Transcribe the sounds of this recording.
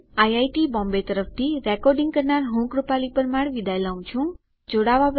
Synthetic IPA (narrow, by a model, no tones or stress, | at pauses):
ajajʈibɔ̃mbet̪əɾəft̪ʰiɾɛkɔɾɖɪ̃ŋɡ̚kəɾnaɾɦũkɾupalipəɾmaɽʋid̪ʱajlaũt͡ʃʰũ | d͡ʒoɽaʋap